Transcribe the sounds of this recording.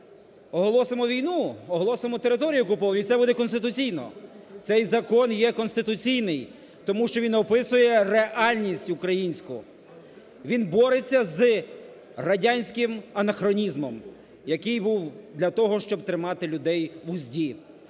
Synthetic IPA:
ɔɦɔlˠɔsemɔʋʲijnuɔɦɔlˠɔsemɔt̪eɾɪt̪ɔɾʲijʊɔkʊpɔʋɐnʊit̪ɛbud̪ɛkɔnst̪ɪt̪ʊt͡sʲijnɔ̰ | t̪sɛjzɐkɔnjɛkɔnst̪ɪt̪ʊt͡sʲijnɪj | t̪ɔmuʃt͡ʃɔʋʲinɔpɪsʊjɛreʔɑlʲnʲisʲtʲukɾɐjinʲsʲkʊ | ʋʲinbɔɾɪt͡sʲːɐz | rɐdʲanʲsʲkɪmɐnɐxɾɔnʲizmɔm | jɐkɪjbuwd̪lʲɐt̪ɔɦɔʃt͡ʃɔb̚t̪ɾɪmɑt̪ɪlʲʊd̪ɛjʋʊzʲdʲi

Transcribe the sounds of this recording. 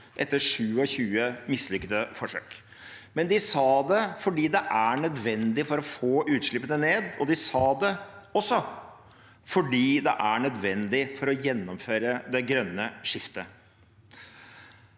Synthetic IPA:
ʔɛt̪ːəʂʉːɔçʉːəmɪslʏkːəd̪əfɔʂø̰ːk | mɛnd̪ɪsɑːd̪ɛfɔɖiːd̪ɛʔæɳœd̪ʋɛnd̪ɪfɔɾɔfoːʔʉːt̪ʂɭɪpːənəneːd̪ɔ̰d̪ɪsɑːd̪ɛɔsːɔ | fɔɖiːd̪ɛ̰ʔæɳœd̪ʋɛnd̪ɪfɔɾɔjɛnːɔmføːɾəd̪ɛɡɾœnːəʂɪft̪ə

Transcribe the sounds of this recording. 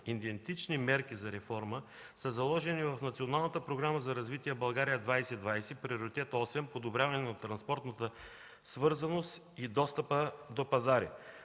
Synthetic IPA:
id̪ɛnt̪it͡ʃnimɛɾkʲizɐɾɛfɔɾmə | səzɐlˠɔʒɛnivɐfnɐt̪sionalˠnət̪əpɾoɡɾaməzɐɾɐzvit̪iɛbɐlˠɡaɾijəd̪vajsɛd̪vajsɛpɾioɾit̪ɛt̪ɔsɛmpod̪obɾʲjavɐnɛnɐt̪ːɾɐnspɔɾt̪nət̪ə | svɤɾzɐnost̪ | id̪ɔst̪əpəd̪opɐzaɾḭ

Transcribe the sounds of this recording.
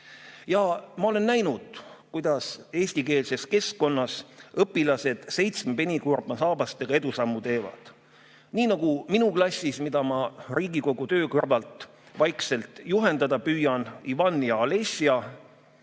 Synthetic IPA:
jɑmɑo̞le̞nːæjnud̪̥kujd̪̥ɑse̞ːsʲt̪ike̞ːlse̞ske̞skko̞nːɑsɤpːˑilɑse̞d̪̥se̞jt̪smpe̞nʲikurb̥ɑnsɑːbɑst̪e̞ɡ̥ɑe̞d̪̥usɑmːut̪e̞ːvɑ̰d̪̥ | niːnɑɡ̥uminuklɑsʲːismid̪̥ɑmɑriːɡiko̞ɡ̥ut̪ø̞ːkɯrvɑlt̪ˑ | vɑjkse̞lt̪ˑjuɦe̞nd̪̥ɑd̪ɑpyːjɑnivɑnːjɑɑle̞siɑ

